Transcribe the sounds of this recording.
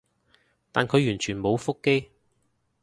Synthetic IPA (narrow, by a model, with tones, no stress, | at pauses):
t̪aː˨nkʰɵ˨˧ɥjyː˨˩nt͡ʃʰyː˨˩nmo˨˧wfʊ˥kːe˥j